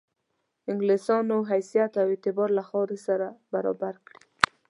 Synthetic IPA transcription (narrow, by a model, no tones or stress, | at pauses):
ɪŋɡlesɑnoɦajsijat̪awet̪ɪbɑɾlaxɑɾisaɾabaɾɑ̰baɾkɽi̥